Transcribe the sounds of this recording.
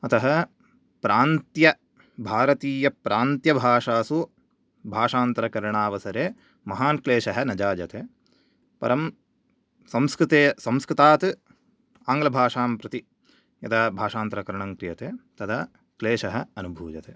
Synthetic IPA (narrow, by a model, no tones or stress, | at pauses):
ɐt̪ɐɦɐ | pɾaːnt̪jɐ | bʱaːɾɐt̪iːjɐpɾʔaːnt̪jɐbʱaːʂaːsu | bʱaːʂaːnt̪ɐɾɐkɐɾɐɳaːʋɐsɐɾeː | mɐɦaːnkleːʃɐɦɐ̆nɐd͡ʒaːd͡ʒɐt̪eː | pɐ̰ɾɐm | sɐmskɾɪt̪eːsɐmskɾɪt̪aːt̪ɨ | aːŋɡlɐbʱaːʂaːmpɾɐt̪i | jɐ̰t̪ʰɐbʱaːʂaːnt̪ɾɐkɐɾɳɐŋkɾijɐt̪eːt̪ɐd̪ɐ | kleːʂɐɦɐ̆ɐnubʱuːd͡ʒɐt̪eː